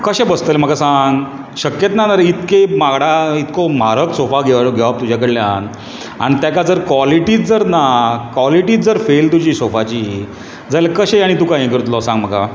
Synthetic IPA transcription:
kəɕebəst̪əlem̤əɡasãŋɡ | ɕəkjet̪nanaɾit̪kemaɡɽait̪kɔm̤aɾəksofaɡʱeʋaɡʱeʋap̚t̪ud͡ʑʱak̬əɽljan | a̰ɽ̃it̪jakad͡zəɾkʋaliʈiːd͡zəɾnakʋaliʈiːt̪d͡zəɾfelt̪ud͡ʑiːsofat͡ɕiː | d͡zalekəɕeaɽ̃it̪ukaɦẽkəɾut̪lɔsãŋɡm̤əka̰

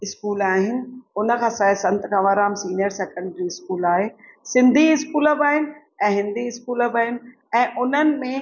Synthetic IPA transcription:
ɪskuːlaːɦɪnɪ̆ʊnə̆kʰãːsaːesɐ̃nt̪kɐ̃ʋaːɾaːmsiːnijəɾseːkə̃ɳɖɾiɪskuːlaːɦeːsɪ̃nd̪ʱiɪskuːləbaːɦɪnɪ̆ | ɛ̃ːɦɪ̃nd̪ʱiɪskuːləbaːɦɪnɪ̆ | ɛ̃ːʔʊn̤ənɪ̆mẽ

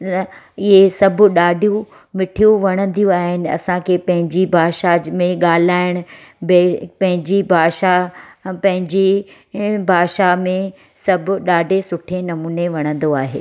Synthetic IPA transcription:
ɪɦesɐbʱʊɗaːɖʱijũ | mɪʈʰijũʋɐɽ̃ə̃nd̪ʱijũaːɦɪnɪ̆ɐ̰sãkʰeːpɐ̃ɦɪ̃ɲd͡ʑibʱaːʃad͡ʑmẽɠaːl̤aːɪɽ̃ʊbepɐ̃ɦɪ̃ɲd͡ʑibʱaːʃapɐ̃ɦɪ̃ɲd͡ʑi | bʱaːʃamẽ | sɐbʱʊ̆ɗaːɖʱesʊʈʰenɐmuːneʋɐɽ̃ə̃nd̪oaːɦḛː

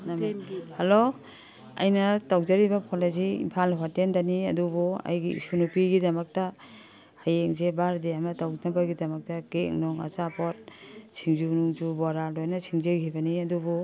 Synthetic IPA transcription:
nahalo | a̰jnɐtawzaɾibapʰɔleziḭmpʰalnaɦwatendaniɐ̰dubɔa̰jɡiḭsunupiɡidɐmɐk̚ta | hajeŋzebaɾdeamatawd͡ʒnabaɡidɐmɐk̚takek̚nɔŋa̰sapɔt̚sʰiŋzunuŋd͡ʒubɔɾadɔjnasʰiŋzɯkʰibaniɐdubɔ

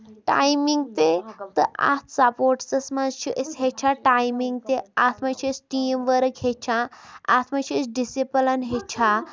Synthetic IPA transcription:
ʈa̰jmiŋɡ̚t̪et̪ɨʔa̰t̪ʰsɐpoɾʈt͡sɐsmazt͡ʃʰiʔəsɦet͡ʃʰaʈajmiŋɡ̚t̪eat̪ʰmat͡ʃʰisʈiːmʋəɾəkɦet͡ʃʰaa̰t̪ʰmat͡ʃʰisɖisipəlɐnɦet͡ʃʰa

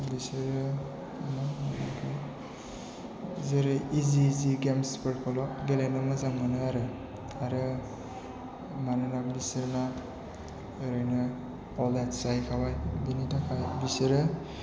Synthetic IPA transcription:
bisɯɾɯ | naanakʰɯ | zɯɾɯiziziɡemspəɾkʰɔlɔɡelenɯmazaŋmanɯaɾɯ | aɾɯ | manɯnabisɾna | ɾɯjnɯ | ɔlatsajkʰababinitʰakʰabisɯɾɯ

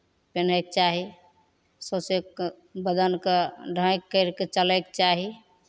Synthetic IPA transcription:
penek̚t͡ʃaːɦi | səsek | bəd̪ənkɖʱə̃ekːeɾkt͡ʃəlekt͡ʃaːɦi

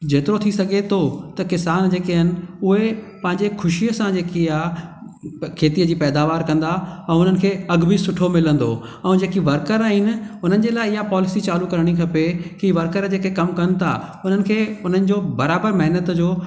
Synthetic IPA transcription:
d͡ʑeːt̪ɪɾot̪ʰisɐɡʱet̪ʰot̪ɐkɪsaːnd͡ʑeːkeɦɪnɪ̆ʊɦe | pɐ̃ɦɪ̃ɲd͡ʑekʰʊʃijəsãd͡ʑeːkiaː | kʰeːt̪ijəd͡ʑiːpɛːd̪aːʋaːɾkɐ̃nd̪aɛ̃ːʊn̤ənɪ̆kʰeːɐɡbisʊʈʰomɪlə̃nd̪oɛ̃ːd͡ʑeːkiʋɐɾkəɾaɦinɪ̆ʊn̤ənɪ̆d͡ʑeːlaːɪɪɦapɔːlɪsit͡ɕaːlukɐɾəɽ̃ikʰɐpekiʋɐɾkəɾd͡ʑeːkekɐmkɐnɪ̆t̪ʰa̰ʊn̤ənɪ̆kʰeːʊn̤ənɪ̆d͡ʑoːbɐɾaːbəɾmɐɦɪnət̪d͡ʑoː

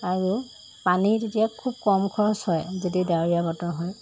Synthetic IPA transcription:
aɹu | panitetijakʰub̚kɔmkʰɔɹshɔjzetidaɹijabɔtɔɦɔj

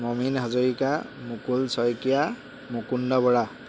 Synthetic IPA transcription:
mɔminɦazoɹikamukulsɔjkija | mukunːɔbɔɹa

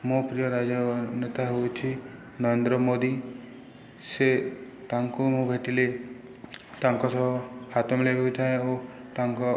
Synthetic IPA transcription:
mũpɾijɔɾad͡ʒɔnet̪aɦowt͡ʃʰi | nɔɾend̪ɾɔmod̪i | se | t̪aŋkumũbʱeʈile | t̪aŋkɔsɔɦɔhat̪ɔmilebʱekut̪ʰaẽot̪aŋkɔ

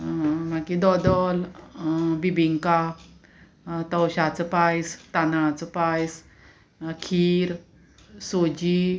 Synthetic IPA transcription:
makid̪ɔd̪ɔl | bibiŋka | t̪ɔwɕat͡səpajst̪anãt͡səpajs | kʰiːɾ | sod͡ʑi

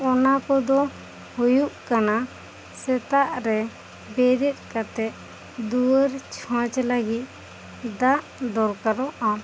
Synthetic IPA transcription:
ɔnakɔd̪ɔ | hujuʔkana | sɛt̪aʔɾɛ | bɛɾɛt̪̚ˀkat̪ɛt̪̚ | d̪uwəɾt͡ʃʰãt͡ʃlaɡit̪̚ | d̪aʔd̪ɔɾkaɾɔʔa

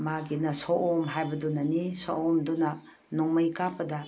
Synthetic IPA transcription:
maɡinɐsoʔomɦajbɐdunɐniso̰ʔɔmdunɐ | nɔŋmɐjkapɐdɐ

